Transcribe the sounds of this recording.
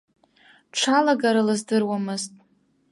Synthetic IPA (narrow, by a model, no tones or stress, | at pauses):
ʈ͡ʂʰalaɡaɾalɨzdɨrwamɨztʼ